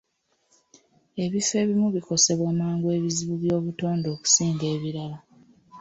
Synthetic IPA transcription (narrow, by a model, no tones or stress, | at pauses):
e̞βife̞ːβimuβiko̞se̞βwaːmaːŋɡwe̞βiziβuβjo̞ːβuto̞ːndo̞ːku̥siːŋɡe̞ːβiɾala